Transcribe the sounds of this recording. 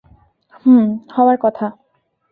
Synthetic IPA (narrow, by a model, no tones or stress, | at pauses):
huhɔwaɹkɔt̪ʰa